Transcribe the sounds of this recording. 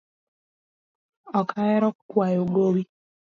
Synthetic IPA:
ɔkʰajɛɾɔkːwajoɡowi

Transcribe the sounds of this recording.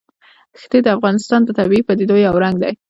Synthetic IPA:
xt̪ed̪əafɣɑnɪst̪ɑnd̪ət̪abiipad̪ed̪ojawɾaŋɡd̪a̰j

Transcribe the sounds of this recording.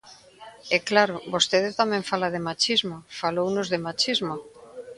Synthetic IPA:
ɛklaɾʊbost̪eðɪt̪amɛ̃ɱfalaðɪmat͡ʃizmofalownʊzðemat͡ʃizmo

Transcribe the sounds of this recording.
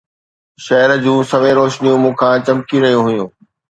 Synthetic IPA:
ʃɐɦɾd͡ʑũːsɐʋeɾoːʃnijõmũːkʰãːt͡ɕɐmkiɾɐɦijũɦʊjũː

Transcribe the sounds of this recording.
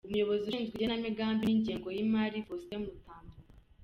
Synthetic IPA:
umujo̞βo̞ziiːnzɡienamiɡaːmbiniɲɟiːŋɡo̞jimaːɾifosteumutaːmbuɾaa

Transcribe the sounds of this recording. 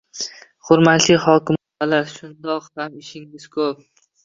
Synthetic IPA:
χʊɾmat̪lɪhɒkʰʲɪm | balaɾʃʊnd̪ɒqhamɪʃɪŋɪz̥kʰɵp̚

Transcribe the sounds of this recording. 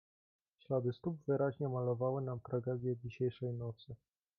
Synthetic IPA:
ɕlad̪ɘst̪ubvɘɾaʑɲɛmalɔvawɘnamt̪ɾaɡɛd̪ʲjɛd͡ʑiɕɛjʂɛjnɔt̪sɘ

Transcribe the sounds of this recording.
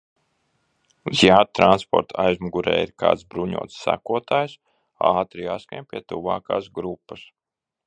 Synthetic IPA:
uzjaːd̪̚t̪ɾanspɔ̰ɾt̪ʰajzmuɡuɾɛ̰ːiɾka̰ːt̪sbɾuɲṵɔt̪ssːæ̰kuɔt̪aːjs | ɑːt̪ɾijaːskaɲpʲiɛt̪uva̰ːka̰ːsɡɾupːas

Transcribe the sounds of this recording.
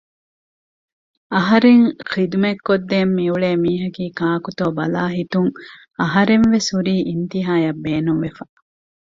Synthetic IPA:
ɐɦɐɾeŋqid̪umekːod̪ːeːmːiuɭeːmiːɦɐkiːkaːkut̪oːbɐlaːɦit̪uŋ | ɐɦɐɾenʋesuɾiːʔint̪iɦaːjɐbːeːnumʋefɐ

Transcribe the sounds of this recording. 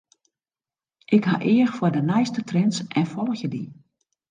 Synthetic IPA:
ʔɪkɦaʔɪːəxfwodənɛjstətrɛnsʔɛnfɔlˠəxjədḭ

